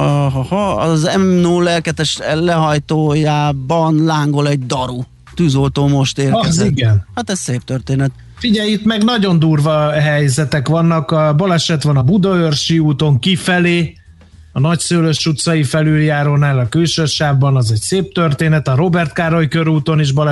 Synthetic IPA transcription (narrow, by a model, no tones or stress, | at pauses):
ɦɔhɒɒzɛmnuːlɛlkɛt̪ɛʃlɛɦɒjt̪oːjaːbɒnlaːŋɡo̞lɛɟ̚d̪ɒɾu | t̪yːzo̞lt̪oːmo̞ʃt̪eːriɡɛnhat̪ɛsseːp̚t̪ørt̪eːnɛt̪ | fiɟɛjit̪mɛɡnɒɟo̞nd̪uːrvɒɦɛjzɛt̪ɛkʋɒnːɒkɒbɒlɛʃɛt̪ʋɒnɒbud̪ɒørʃiuːt̪o̞ŋkifɛleː | ɒnɒcsøːløʃt͡ʃːut̪sɒjifɛlyljaːɾoːnaːlɒkylʃørʃaːvbɒnɒzɛcseːp̚t̪ørt̪eːnɛt̪ɒɾo̞bɛrt̪kaːɾojkøɾuːt̪o̞niʒbɒlɛ